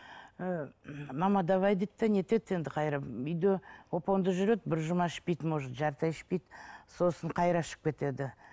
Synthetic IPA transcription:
mɑmɑd̪ɑvɑjd̪et̪ːɪne̞t̪e̞t̪e̞nd̪ɪqʰɑjɾɑʏjd̪ewo̞po̞nd̪əʒʏɾe̞d̪bɪɾʒʊmɑɪʃpejt̪moʒət̪ʒɑɾt̪ɑjɪʃpejt̪so̞səɴqʰɑjɾɑʃə̥p̚kʲʰe̞t̪e̞d̪ɪ

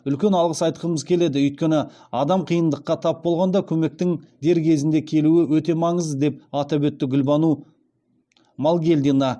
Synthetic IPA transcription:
ʏlkʲe̞nɑlˠʁəsɑjt̪əqəəməzkʲʰe̞le̞d̪ɪʏjt̪̚kʲe̞nɪ | ɑd̪ɑmqʰijənd̪əqːɑt̪ʰɑp̚bo̞lˠʁɑnd̪ɑkʲʰɵme̞k̚t̪ɪŋd̪e̞ɾkʲʰe̞zɪnd̪e̞kʲʰe̞luɪwɵt̪e̞mɑɴəzd̪e̞p̚ɑt̪ɑbwɵt̪ːɪɡʲʏlbɑnu | mɑlˠɡʲe̞ld̪inɑ

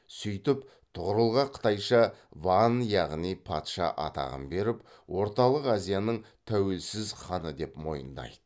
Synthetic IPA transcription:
sʏjt̪ɪp | t̪ʰʊʁəɾəlˠʁɑqʰə̥t̪ɑjʃɑvɑnjɑʁnijpʰɑt̪ʃɑ̰ʔɑ̰t̪ɑ̰ʁə̰mbe̞ɾɪp | wo̞ɾt̪ɑlˠəqazijanəɴ | t̪ʰæwe̞lsɪzχɑnəd̪e̞pmo̞̰jə̰nd̪ɑ̰jd̪̥ə

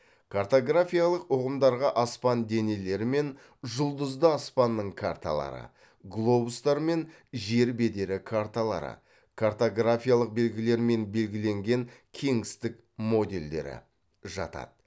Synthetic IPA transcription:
kʰart̪o̞ɡrafʲijalˠəqoʁəmd̪ɑɾʁɑʔɑspɑnd̪e̞ne̞le̞ɾɪme̞n | ʒʊlˠd̪əzd̪əɑspɑnːəɴkʰaɾt̪a̰lˠɑ̰ɾə̰ | ɡlˠo̞bust̪ɑɾme̞n | ʒe̞ɾbe̞d̪e̞ɾɪkʰart̪alˠɑ̰ɾə̰ | kʰart̪o̞ɡrafʲijalˠəq̚be̞lɡʲɪle̞ɾme̞nbe̞lɡʲɪle̞ŋɡʲe̞ŋkʲʰe̞ŋɪst̪ɪk | mo̞d̪e̞̰ld̪e̞̰ɾɪ̰ | ʒɑ̰t̪ɑ̰d̪̥

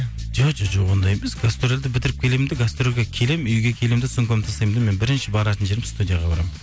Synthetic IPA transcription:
d͡ʒod͡ʒoʒoʁond̪ɑjejmesɡast̪oɾeld̪ɪbɪt̪ɪɾɪp̚kʲʰe̞lemmd̪ɪɡast̪ɾelʲɡʲekʲʰe̞lemʏjɡʲe̞kʲʰe̞lemd̪ɪsʊŋkʰonɪmt̪ʰɑsɑjmd̪me̞nbɪɾɪnʃɪbɑɾɑt̪ənʒe̞ɾɪst̪ud̪ʲijaʁɑbɑɾɑ̰m

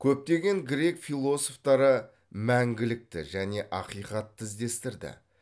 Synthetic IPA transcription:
kʲʰɵp̚t̪e̞ɡʲe̞ŋɡʲɾe̞kfijlˠo̞so̞ft̪ɑɾə | mæŋɡʲɪlɪk̚t̪ɪ̰ʒæne̞ʔɑqijqɑt̪ʰːɪzd̪e̞st̪ɪɾd̪ɪ̰

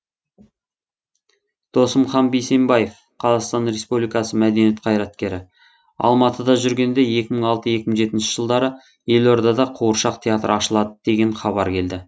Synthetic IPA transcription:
d̪̥o̞səmχɑnbejse̞mbɑje̞f | qʰɑzɑqst̪ɑnɾe̞spublijkɑsəmæd̪e̞nije̞t̪̚qʰɑjɾɑt̪kʲe̞ɾɪ | ɑ̰lˠmɑt̪əd̪ɑʒʏɾɡʲe̞nd̪e̞je̞kʲɪməɴɑlˠt̪əje̞kʲɪməɴʒe̞t̪ɪnʃɪ̥ʒ̥əlˠd̪ɑɾə | je̞lo̞ɾd̪ɑd̪ɑqʰuwəɾʃɑqt̪ʰeat̪ɾɑʃəlˠɑd̪əd̪e̞ɡʲe̞ɴχɑβɑɾkʲʰe̞ld̪ɪ

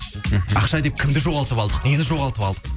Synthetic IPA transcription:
ɑqʃɑd̪e̞p̚kʲʰɪmd̪ɪʒo̞ʁɑlˠt̪əpɑlˠd̪əqne̞nɪʒo̞ʁɑlˠt̪əpɑlˠd̪ə̥q

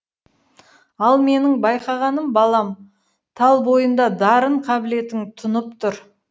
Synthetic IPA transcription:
ɑlˠme̞nɪŋbɑjqɑʁɑnəmbɑlˠɑm | t̪ʰɑlˠbo̞jənd̪ɑd̪ɑɾəɴqʰɑbɪle̞t̪ɪŋt̪ʰʊnəpt̪ʰʊɾ

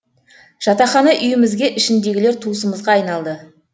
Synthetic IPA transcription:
ʒ̥ɑt̪ɑχɑnɑʔʏjɪmɪzɡʲe̞ʔɪʃɪnd̪e̞ɡʲɪle̞ɾt̪ʰusəməzʁɑːjnɑlˠd̪ə

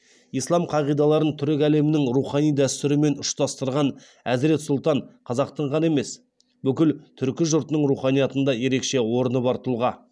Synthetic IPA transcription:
ijslˠɑmqʰɑʁijd̪ɑlˠɑɾənt̪ʰʏɾɪkʲæle̞mɪnɪŋɾuχɑnijd̪æst̪ʏɾɪme̞nʊʃt̪ɑst̪əɾʁɑn | æzɾe̞t̪sʊlˠt̪ɑɴqʰɑzɑq̚t̪əɴʁɑne̞me̞s | bʏkʲɪlt̪ʰʏɾkʲɪʒʊɾt̪ənəɴɾuχɑnijɑt̪ənd̪ɑje̞ɾe̞kʃe̞wo̞ɾənəbɑɾt̪ʰʊlˠʁɑ

